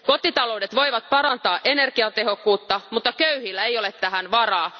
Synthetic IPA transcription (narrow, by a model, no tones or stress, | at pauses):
ko̞t̪ːˑit̪ɑlo̞wdet̪ʋo̞iʋɑt̪̚pɑɾɑnt̪ɑːʔenerkiɑt̪eɦo̞kːuːt̪ːɑmut̪ːɑkøyhilːæejolet̪t̪ːæɦænʋɑrɑː